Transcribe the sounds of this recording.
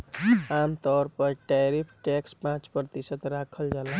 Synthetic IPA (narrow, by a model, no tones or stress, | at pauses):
amt̪ɔɾpəɾʈajɾipʰʈɛkspãt͡ʃpɾt̪isət̪ɾakʰəld͡ʒala